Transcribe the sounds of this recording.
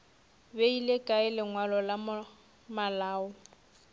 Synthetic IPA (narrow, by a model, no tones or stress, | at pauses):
beilekʼaɪlɪŋwalɔlam | malaːɔ